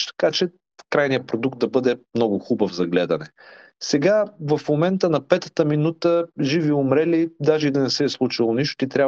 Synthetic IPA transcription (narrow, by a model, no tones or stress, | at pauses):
t̪kat͡ʃɛ | kɾajnijəpɾod̪uk̚t̪̚d̪ɐbɤd̪ɛmnɔɡʊxubəvzɐɡlɛd̪ɐnɛ | sɛɡavɐfmomɛnt̪ənɐpɛt̪ə̥t̪əminut̪əʒiviʊmɾɛlid̪aʒɛid̪ɐnɛsɛːslˠut͡ʃilˠoniʃt̪ʊ̥t̪it̪ɾʲa